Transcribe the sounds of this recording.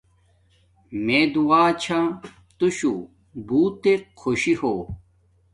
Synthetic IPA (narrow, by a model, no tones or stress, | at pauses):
meːd̪uwaːt͡ɕʰa | t̪uɕṵ | buːt̪eqʰoɕihoː